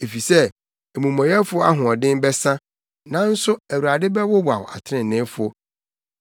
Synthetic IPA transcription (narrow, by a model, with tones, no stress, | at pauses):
e˨fi˨sɛ˦ | e˨mũ˨mɔ̃˨jɛ˦fʊ˦ɔ˦a˦ɦʊ̃˨ɔ˨dɪ̃˦mbɛ˦sã˦ | nã˦n̩˦sʊ˦æ˨wu˨a˨dɪ˦bɛ˦wɔ˦ba˨wa̰˨tʰɪ˦ɪ̃˨n˨nɪ̃˦fʊ˦ɔ˦